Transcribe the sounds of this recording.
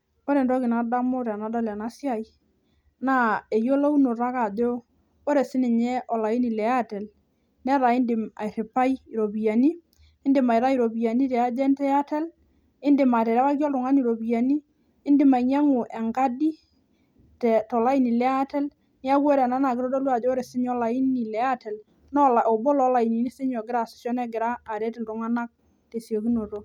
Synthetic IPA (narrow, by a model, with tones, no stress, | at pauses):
o˦ɾɛ˨ndɔ˦kɪ˨na˨da˦mo˦ɾa˨na˨˦da˦la˨na˦sja˨i˨ | na˦˨e˨jo˦lo˦u˦no˨ɾa˦ka˨de˦o˦ | o˦ɾɛ˨sɪ˦ni˨ɲɛ˦ʔɔ˨la˨i˦ni˨lɛ˨˦a˦tɛ˨l | nɛ˦ɾa˨ɪ˦ndɪ˨ma̰˨ɾɪ˨pa˦i˦i˨ɾo˨bi˨ja˨ni˦ | ɪ˦ndɪ˨ma˨jɾa˦i˨ɾo˨bi˨ja˨ni˦tɛ˨a˦d͡ʒɛ˦ntɛ˦a˦tɛ˦l | ɪ˦ndɪ˨ma˨tɛ˨ɾɛ˦wa˦kɔ˦ltʊ˨ŋa˦ni˨ɾo˨bi˨ja˨niː˦ | ndɪ˨˦ma˨iɲa˦ŋu˨ʔɛ˨ŋɡa˦di˦ | tɛ˨tɔ˨la˦i˨˦ni˨lɛ˦a˦tɛ˦l | nɪ˦a˦kwo˦ɾɛ˨na˦na˨kɪ˦ɾɔ˦do˦lwa˨d͡ʒɔ˦ɾe˨sɪ˦ɲɔ˦la˨i˦ni˨lɛ˦a˦tɛ˨l | nɔ˦la˨o˨bɔ˦lɔ˦la˨i˨ni˨ni˦se˦ɲɔ˨ɡɪ˦ɾa˦˨si̥˦sjɔ˦nɛ˦ɡɪ˨ɾaː˦˨ɾɛ˦tɪ˨ltʊ˨˦ŋa˦na˦k̚ | te˨sjo˨ki˦no˨to˦